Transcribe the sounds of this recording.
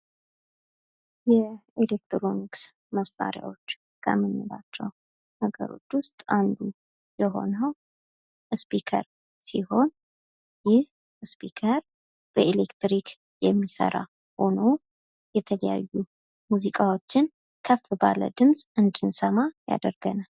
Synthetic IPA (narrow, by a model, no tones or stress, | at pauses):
jɛelek̚t̪ɾo̞niks | məsfa̰ɾja̰wo̞t͡ʃː | kʰə̰mɨnːɨlat͡ʃːɛw | nəɡə̰ɾo̞̰t͡ʃːwʊst̪ʼand̪u | jɛɦo̞̰nəw | ɨspikʰə̰ɾ | siho̞n | jɪh | ɨspʰikʰəɾ | b̥əʔelekt̪ɾikʰ | jɛmːisə̰ɾa̰ | ho̞no̞ | jɛt̪ʰələja̰jːu | muzikʼawo̞t͡ʃːɪn | kʰəfːɨbalə̰d̪ɨmsʼɨnd̪ɨnsəmaja̰d̪əɾɡənal